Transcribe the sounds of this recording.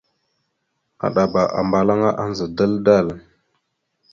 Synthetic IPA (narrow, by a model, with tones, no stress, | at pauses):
a̰˨ɗa˨ba˨ʔa̰˨mba˨la˦ŋa˦ʔa˦nzə˨da˦lda˦˨l